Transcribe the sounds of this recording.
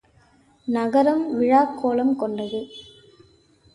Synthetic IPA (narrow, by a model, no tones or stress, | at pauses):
nɐɣɐɾɐmʋɪɻaːkːoːlɐmkɔɳɖɐðɯ